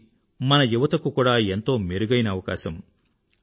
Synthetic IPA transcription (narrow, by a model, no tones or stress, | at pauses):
mɐnɐjuʋɐt̪ɐkukuːɽaːe̞nt̪o̞ːmeɾuɡɐjnɐːʋɐkaːsɐm